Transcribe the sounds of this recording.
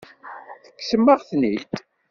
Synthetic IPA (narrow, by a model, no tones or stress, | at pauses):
θə̥kːsəmːəʁθnit̪